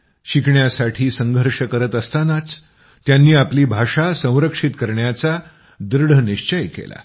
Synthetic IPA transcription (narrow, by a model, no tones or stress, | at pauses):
ɕikʰɳjasaʈʰiːsəŋɡʱəɾʂəkəɾət̪əst̪anat͡s | t̪janːiːapliːbʱaʂasə̃w̃ɾəkʂit̪kəɾɳjat͡sa | d̪ɾɽ̤əniʂt͡ɕəjkḛla̰